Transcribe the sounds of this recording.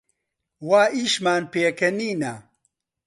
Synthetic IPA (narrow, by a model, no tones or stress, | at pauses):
waːʔiːʃmaːnpeːkɐniːnɐ